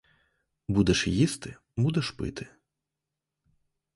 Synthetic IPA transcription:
bud̪ɛʃjist̪ɪ | bud̪ɛʃpɪ̰t̪ɪ̥

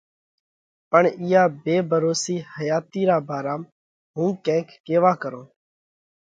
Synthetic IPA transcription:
pəɳɪːjaːbeːbʱəɾoːsiːhəjaːt̪iːɾaːbʱaːɾaːm | ɦũːkɛ̃ːkːeːʋaːkəɾõː

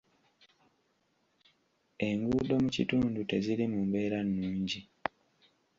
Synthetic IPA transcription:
e̞ŋɡuːd̪o̞mucituːndute̞zilimumbe̞ːɾanːuːɲɟi

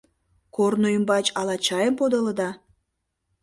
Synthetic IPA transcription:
kornujəmbɑt͡ɕɑlɑt͡ɕɑjəmpod̪ələd̪ɑ

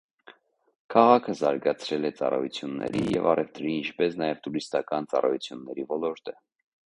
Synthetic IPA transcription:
kʰɑʁɑkʰəzɑɾɡɑt͡sʰɾɛlɛt͡sɑ̰rɑ̰jut͡sʰjunːɛ̰ɾḭjɛvɑrʔɛvt̪ɾiint͡ʃʰpɛsnɑjɛvt̪uɾist̪ɑkɑnt͡sɑrɑjut͡sʰjunːɛɾivɔlɔɾt̪ʰə

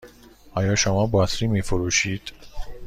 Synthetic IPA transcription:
ɒːjɒːʃomɒːbɒːsɾiːmiːfoɾuːʃiːd̪̥

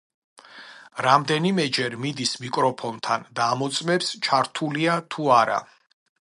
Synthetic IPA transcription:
ɾamd̪ɛnimɛd͡ʒɛɾmid̪ismikʼɾɔpʰɔnt̪ʰand̪aːmɔt̪sʼmɛpst͡ʃʰaɾt̪ʰuliat̪ʰuaɾa̰

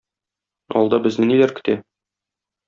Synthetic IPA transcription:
ɒ̰lˠd̪ɑbɘ̆znɘnilæɾkɘ̥̆t̪æ

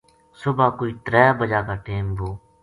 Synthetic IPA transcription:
sʊbaːkoːiːt̪ɾɛːbəd͡ʒaːkaːʈeːmboː

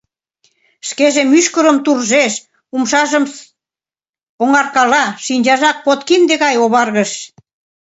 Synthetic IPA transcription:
ʃkeʒemyʃkəɾəmt̪urʒeʃ | umʃɑʒə̆m | oŋɑrkɑlɑʃinʲd͡ʑɑʒɑk̚pot̪kimd̪eɣɑjoβɑrɣəʃ

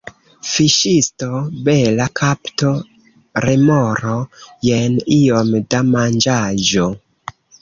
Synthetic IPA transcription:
fiʃistobelakʰapto | ɾemoɾo̞jenio̞mdamand͡ʒad͡ʒo

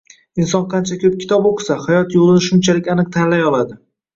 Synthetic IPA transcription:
ɪnsɒnqʰɑnt͡ʃʰakʲʰɵp̚kʲʰɪ̥t̪ʰɒboqʰɨ̥sahajɒt̪jolˠɪnɪʃʊnt͡ʃʰalɪkʲanɨq̚t̪ʰanlajɒlˠad̪ɪ

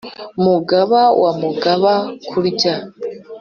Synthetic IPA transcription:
muɡaβawamuɡaβakʰuɾica

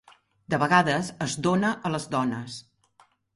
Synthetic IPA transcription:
d̪əβəɣaðəzəzd̪onəʔələzd̪ɔnəs

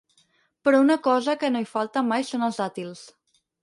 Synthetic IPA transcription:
pɾɔunəkɔzəkənoifalˠt̪əmajsonəlˠzat̪ilˠs

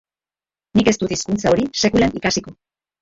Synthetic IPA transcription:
nike̞st̪ut̪iskunt͡sao̞ɾise̞kulenikasiko̞

